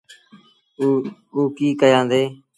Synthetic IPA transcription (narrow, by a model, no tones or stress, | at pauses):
uːkiːkəjãːnd̪eː